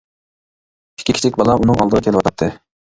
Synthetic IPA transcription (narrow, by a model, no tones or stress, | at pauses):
ɪ̥kʲʰːikʰʲi̥t͡ʃʰɪkʲbɑlˠɑʔunɨŋɑlˠd̪əɾʁɨkʲʰelɪwɑt̪ʰɑt̪ʰːɨ